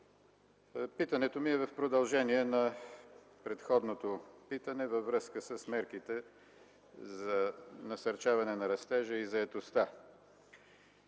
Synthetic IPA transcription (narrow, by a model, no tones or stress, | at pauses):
pit̪ɐnɛt̪omiɛvɐfpɾod̪ɐlˠʒɛniɛnɐ | pɾɛt̪xɔd̪not̪opit̪ənɛvɐvɾɤskəsəsmɛɾk̟it̪ɛ | zɐnɐsɐɾt͡ʃavɐnɛnɐɾɐst̪ɛʒəizɐɛt̪ost̪a